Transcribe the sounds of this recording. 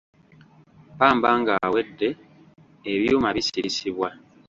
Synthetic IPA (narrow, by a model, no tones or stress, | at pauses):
paːmbaːŋɡawe̞dːe̞ː | βjuːmaβisiɾisiβwa